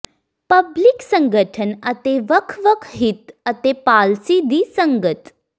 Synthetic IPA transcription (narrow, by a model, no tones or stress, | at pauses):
pɐbliksə̃ŋɡəʈʰənɐt̪eʋəkʰʋəkʰɦɪt̪ɐt̪epaːlsid̪iːsə̃ŋɡət̪